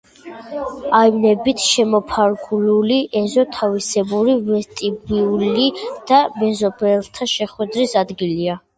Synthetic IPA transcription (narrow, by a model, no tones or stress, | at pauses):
aivnɛbit̪ʰʃɛmɔpʰaɾɡululiʔɛzɔt̪ʰavisɛbuɾivɛɾt̪ʼibiulid̪̥amɛzɔbɛlˠt̪ʰaʃɛχwɛd̪ɾisad̪ɡilia